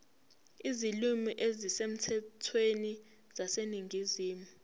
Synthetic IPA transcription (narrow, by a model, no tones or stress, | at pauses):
izilumiʔezisem̩tʰɛtʰweni | z̥aseniŋɡʱiziːmu